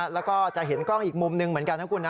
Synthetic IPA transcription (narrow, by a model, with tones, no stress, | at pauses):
lɛː˦˥wkɔː˥˩t͡ɕa˨˩ʔɦe˩˦nkɔ˥˩ŋʔiː˨˩k̚mo˧mnɯ˧ŋmɯ˩˦ənka˧nt̪ʰa˥˩ŋku˧nːa˦